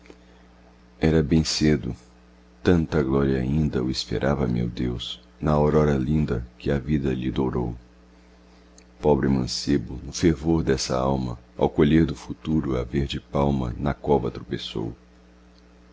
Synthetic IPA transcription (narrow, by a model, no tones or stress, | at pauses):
ɛɾɐbẽj̃sed̪ʊ̰ | t̪ɐ̃nt̪ɐɡlɔɾiɐaĩnd̪ɐʊispḛɾʔavɐmḛwd̪ews | nɐoɾɔɾɐlĩnd̪ɐkɪɐvid̪ɐʎɪd̪owɾow | pɔbɾɪmɐ̃sebʊnʊfeɾvoɾd̪ɛsɐ̰awmɐ̰ | a̰wkoʎeɾd̪ʊfut̪uɾʊɐveɾd͡ʒɪpawmɐ̰nɐkɔbɐt̪ɾopeso̰w